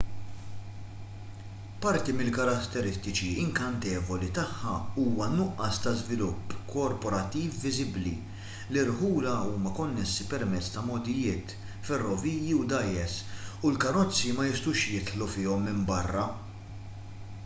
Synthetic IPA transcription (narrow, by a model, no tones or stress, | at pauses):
pɐɾt̪imɪlkɐɾɐt̪ːɛɾɪst̪ɪt͡ʃiɪŋkɐnt̪ɛːvɔlit̪ɐħːɐuːwɐnʊʔːɐst̪ɐzvɪlʊpːkʰɔɾpɔɾɐt̪ːiːfːɪzɪblḭ | lɪɾħuːlɐuːmɐkɔnːɛsːipɛɾmɛt͡sːt̪ɐmɔd̪ɪjɪːt̪ | fɛrːɔviːjjiwd̪ɐjːɛsulkɐɾɔt͡sːimɐjɪst̪uːʃjɪt̪ħlufɪːɔmːɪmbɐrːɐ